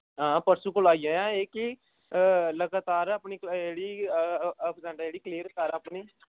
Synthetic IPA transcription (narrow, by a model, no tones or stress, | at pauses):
ɦãːpəɾsũːkʊlaːijãːjãːeːki | ləɡaːt̪aːɾapniːeːɽiː | pzãːɖad͡ʒeːɽiːkliːəɾkaːɾaːpniː